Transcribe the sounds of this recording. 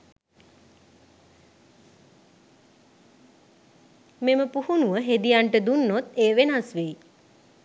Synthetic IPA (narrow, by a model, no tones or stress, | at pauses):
meməpuhunuʋəɦed̪ijaɳʈəd̪unːot̪eːʋenasʋiː